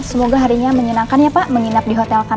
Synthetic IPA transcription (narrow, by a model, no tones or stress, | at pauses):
səmoɡaɦaɾiɲaməɲənaŋkanɲapaʔməŋinap̚diɦot̪ɛlkan